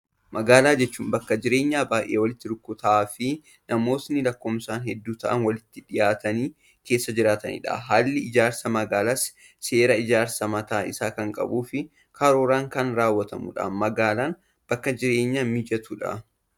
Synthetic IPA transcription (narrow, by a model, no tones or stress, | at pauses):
mʔɐɡaːlaːd͡ʒɛt͡ʃːuːmbɐkːɐd͡ʒɪɾe̞ːɲːaːbaːjʔe̞ːwɐlɪt̪ːɪᶑʊkːʊt̪ɐaːfɪ | nɐmo̞ːt̪nɪlɐkːɔːmsaːnɦɛd̪ːuːt̪ɐʔɐ̰nwɐlɪt̪ːɪᶑɪjaːt̪ɐniː | keːsːɐd͡ʒɪɾaːt̪ɐnḭːᶑa̰ɦaːlːɪɪd͡ʒaːɾsɐmɐɡaːlaːs | se̞ːɾɐɪd͡ʒaːɾsɐmɐt̪aːʔɪsaːkɐŋkʼɐ̰buːfɪ | kɐɾoːɾaːŋkɐnɾaːwːɐt̪ɐmʊ̰ᶑa̰mɐɡaːlaːn | b̥ɐkːɐd͡ʒɪɾe̞ːɲːaːmɪd͡ʒɐt̪uᶑɐ̰